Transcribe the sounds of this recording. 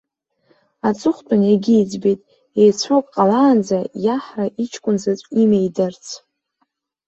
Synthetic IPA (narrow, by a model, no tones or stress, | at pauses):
at͡sʼʊχʷtʼʊneɡʲijd͡zbejtʼ | ejt͡sʷʰokʼqʼalaːnd͡zajaħraʔit͡ʃʰkʷʼʊnzat͡sʷʼimejdɨrt͡sʰ